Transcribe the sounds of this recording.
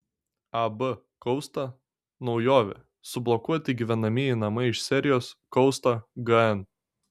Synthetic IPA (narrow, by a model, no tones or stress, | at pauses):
ɐbə | kɔʊst̪ɐ | nɒʊjoːʋʲɛ̰ | sʊblˠɔkuɔt̪ʲɪɡʲiʋʲɛnɐmʲiɪnɐmɐɪɪʃsʲɛɾʲɪjoːskɔʊst̪ɐɡɐɛn